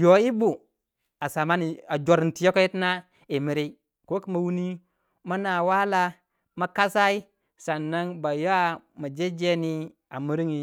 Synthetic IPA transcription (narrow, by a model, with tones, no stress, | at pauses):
jo˨˦i˦bu˨ | a˨sa˨ma˦ni˨a˨d͡ʒo˨ɾi˨n˨ti˨˦o˦ko˦ji˦tna˦ | i˨mi˨ɾi˦ | ko˦ki˦ma˨wu˦ni˦ | ma˦na˨wa˦la˦ | ma˨ka˦sa˦i˦ | sa˨nːa˦ŋba˨ja˦ | ma˨d͡ʒe˦d͡ʒe˦ni˦ | a˨mi˦ɾi˦ŋi˨